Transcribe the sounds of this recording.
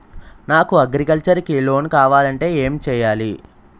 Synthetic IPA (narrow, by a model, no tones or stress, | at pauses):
naːkuɐɡɾikɐlt͡ʃɐɾkilo̞ːnkaːʋaːlɐɳʈe̞ːe̞ːmt͡ʃɛːjaːli